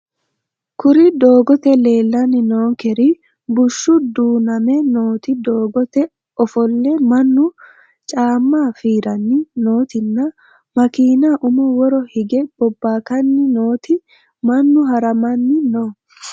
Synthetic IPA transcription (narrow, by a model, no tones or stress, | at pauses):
kʊɾɪd̪o̞ːɡɔt̪ɛle̞ːlːɐnɪnoːŋkɛɾɪ | bʊʃːʊd̪uːnɐmɛnoːt̪ɪd̪oːɡɔt̪ɛ | ɔfɔlːɛmɐnːʊ | t͡ʃʼaːmːaːfiːɾɐnːɪnoːt̪ɪnːɐ | mɐkiːnaʔʊmɔwɔɾɔhɪɡɛb̥ɔbːaːkɐnːɪno̞ːt̪ɪ | mɐnːʊɦɐɾɐmɐnːɪnɔ